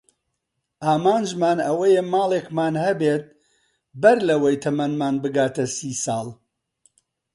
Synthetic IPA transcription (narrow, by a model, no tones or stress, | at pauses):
ʔaːmaːnd͡ʒmaːnɐwɐjɛmaːlˠekmaːnhɐbeːt̪̚ | bɐɾlɐwɐjt̪ʰɐmɐnmaːnbɨɡaːt̪ɐsiːsɑːlˠ